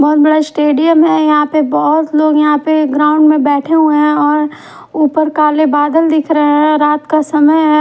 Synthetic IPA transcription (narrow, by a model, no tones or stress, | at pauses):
bɔɦːt̪̚bɐɽasʈeːɖijəmɦɛjɐɦãpebɔɦʊt̪loːɡjɐɦãpeɡɾaːʊ̃ɳɖmẽbɛːʈʰeɦueɦɛ̃ɔːɾ | uːpəɾkaːlebaːd̪əld̪ɪkʰɾəeɦɛ̃ɾaːt̪kasɐməjɦɛ